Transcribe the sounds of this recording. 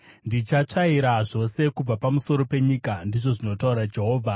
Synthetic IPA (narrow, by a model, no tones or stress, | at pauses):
ndit͡ʃat͡ʂaiɾaʐo̞se̞kub͡vapamuso̞ɾo̞pe̞ɲikandiʐo̞ʐino̞tauɾad͡ʒe̞ɦo̞ːvʱa